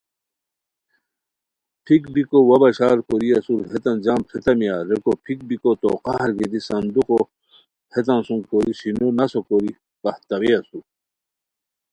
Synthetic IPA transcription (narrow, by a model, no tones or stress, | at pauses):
pʰikbikowɐbɐɕaːɾkoɾiɐsuɾhet̪ɐnd͡ʑaːmpʰet̪ɐmijaːɾekopʰik̚bikot̪o̰ːqɑhɾɡed̪isɐnd̪uqo | het̪ɐnsũŋkoɾisinonɐsokoɾi | b̥ɐht̪ɐɾeɐsu